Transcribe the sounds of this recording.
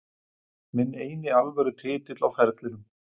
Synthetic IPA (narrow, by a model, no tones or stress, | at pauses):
mɪneːjnɪalvɛɾʏt̪ʰɪːt̪ɪt̪lawfɛɾt̪lɪnʏm